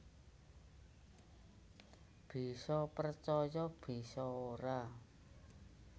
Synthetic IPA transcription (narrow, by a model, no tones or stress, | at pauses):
b̥i̤sɔpərt͡ʃɔjɔb̥i̤sɔoɾa